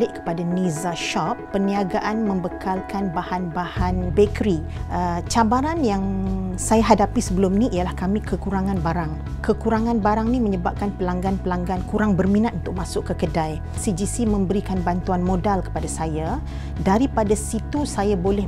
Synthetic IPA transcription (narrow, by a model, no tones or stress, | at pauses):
lɪʔkə̥padanizaʃɔpːəniaɡaʔanmə̃mbəkʰalkanbahanbahanbekəɾiʔət͡ʃabaɾanjaŋsajaɦadapisəbəlʊmniʔijalahkamĩkəkuɾaŋãnbaɾaŋ | kəkuɾaŋãnbaɾaŋnĩməɲəbap̚kanpəlaŋɡanpəlaŋɡankuɾaŋbərmĩnat̪̚unt̪ʊk̚masʊʔkːəkədaj | sid͡ʒisimə̃mbəɾikanbant̪uanmodalkə̥padasaja | daɾipadasit̪usajabolɛ